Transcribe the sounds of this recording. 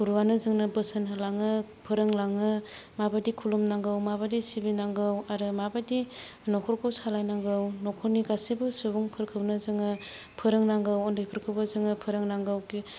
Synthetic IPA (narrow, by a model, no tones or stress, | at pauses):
kuɾuwanɯzɯŋnɯbɯsɯnɯlaŋɯpʰɯɾɯŋlaŋɯ | mabadikʰulumnaŋɡɯwmabadisibinaŋɡɯwaɾɯmabadi | nɔkʰɔɾkʰɯwsalajnaŋɡɯwnɔkʰɔɾniɡasibɯsɯbuŋpʰɯɾkʰɯwnɯzɯŋɯ | pʰɯɾɯŋnaŋɡɯwɔndɯjpʰɯɾkʰɯwbɯzɯŋɯpʰɯɾɯŋnaŋɡɯwɡi